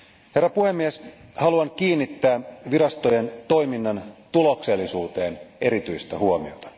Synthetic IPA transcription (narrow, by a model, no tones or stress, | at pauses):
he̞rːɑpuhe̞mːieshɑluɑŋk̟iːnːit̪ːæːʋiɾɑst̪ojent̪o̞jminːɑnt̪ulo̞kse̞lːisuːt̪e̞ːnʔe̞ɾit̪yjst̪æhuomiot̪ɑ̥